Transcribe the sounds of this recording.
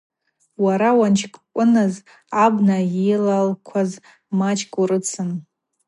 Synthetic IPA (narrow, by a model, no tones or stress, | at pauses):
waɾawant͡ʃʰkʼkʷʼʊnɨz | abnaelalkʷʰaz | mat͡ʃʰʼkʼuɾɨt͡sʰɨn